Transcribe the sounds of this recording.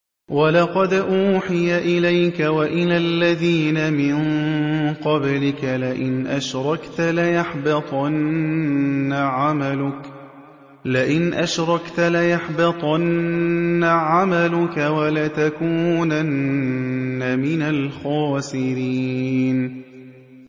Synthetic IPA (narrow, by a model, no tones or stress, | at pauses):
walɑqɑd̪ʔuːħɪjaʔɪlajkawaʔɪlaːlːaðiːnamɪŋ | qɑblɪkalɪʔɪnʔaʃɾˤɑkt̪alajaħbɪt̪ˤɑnː | aʕamalʊk | lɪʔɪnʔaʃɾˤɑkt̪alajaħbɪt̪ˤɑnː | aʕamalʊkawalat̪akuːnanː | amɪnalxɑːsɪɾiːn